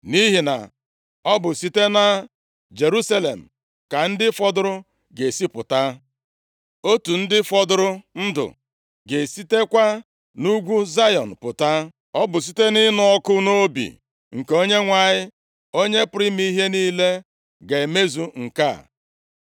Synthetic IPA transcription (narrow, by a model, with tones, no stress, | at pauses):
ni˦ɦi˨na̰˨ | ɔ˦bʊ˨si˦te˦na˦ | d͡ʒe˨ɾu˦sa˦le˨m̩˨ | ka˨n̩˦dɪ˦fɔ˦dʊ˦ɾʊ˦ | ɡe˨si˦pʊ̰˨ta˦ | o˦tu˨n̩˦dɪ˦fɔ˦dʊ˦ɾʊ˦n̩˦dʊ̰˨ | ɡe˨si˦te˦kʷa˦ | nu˦ɡʷu˦za˦jɔ˨n̩˨pʊ˨ta˦ | ɔ˦bʊ˨s̬i˦te˦nɪ˦nɔ˦ɔ˦kʊ˦no˦o˦bḭ˨ | ŋ̩˨keo˦ɲe˦ŋʷa˨ɲɪ˦ | o˦ɲe˦pɾi˦mi˦ɦe˦niː˦le˦ | ɡe˨me˦zu˨ŋ̩˨ka̰˦˨